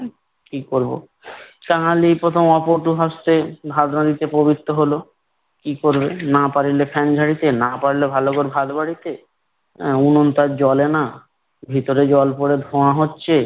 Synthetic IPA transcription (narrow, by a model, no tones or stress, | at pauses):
kikoɾbo̰ | kãɦalipɾot̪ʰomɔpoɾʈuɦast̪ebʱad̪nad̪it̪epobit̪ːoɦolo | kikoɾbenapaɾilepʰɛnd͡ʑʱaɽit̪enapaɾilebʱalokoɾbʱad̪baɽit̪e | unont̪aɾd͡ʑɔlena | bʱit̪oɾed͡ʑɔlpoɽed̪ʱoãɦotːɕʰe